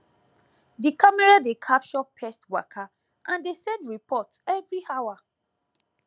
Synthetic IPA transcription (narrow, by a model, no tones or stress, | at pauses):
dikʰamɛɹadekʰap̚t͡ʃɔpʰɛstwa̰kʰa | ʔãndesɛ̃ndɹipɔtsɛvɹihawa